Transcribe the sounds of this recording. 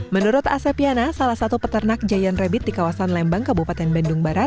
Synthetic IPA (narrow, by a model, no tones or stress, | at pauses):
mənuɾʊt̪a̰sɛpianasalahsat̪upət̪ərnak̚d͡ʒajanrɛbɪt̪̚dikawasanlɛmbaŋkəbupat̪ɛnbɛndʊŋbaɾat̪̚